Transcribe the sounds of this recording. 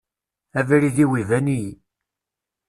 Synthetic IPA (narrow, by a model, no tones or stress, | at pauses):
ævɾiðiwivæni